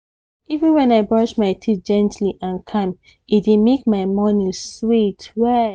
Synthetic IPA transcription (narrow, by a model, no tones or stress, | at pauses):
ivĩnwɛ̃naɪbɹɔʃmaɪtʰit̚d͡ʒɛ̃ntʰliʔãnkʰãm | idimek̚maɪmɔnĩswitwɛ